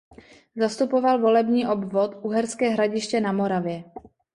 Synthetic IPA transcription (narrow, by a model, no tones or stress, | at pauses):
zast̪upo̞valvo̞lɛbɲiːʔo̞bvo̞t̪ʔuɦɛɾskɛːɦɾaɟɪʃcɛnamo̞ɾavjɛ